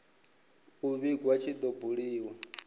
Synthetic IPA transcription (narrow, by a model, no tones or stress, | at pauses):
uβiɡwat͡ʃʰid̪ɔbuɺiːwɔ